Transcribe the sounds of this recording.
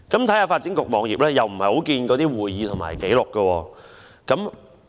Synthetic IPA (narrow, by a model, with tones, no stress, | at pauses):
kɐ˨˥mt̪ʰɐ˨˥jhaː˨˧faː˧t̚t͡siː˨˥nkʊ˨k̚mɔː˨˧ŋjiː˨p̚lɛː˥jɐ˨wm̩˨˩hɐ˨jho˨˥wkiː˧nkɔː˨˧t̪iː˥wuː˨˩jjiː˨˧t̪ʰŋma̰ː˨˩jke˨˥jlʊ˨kːə˧wɔː˧ | kɐ˨˥m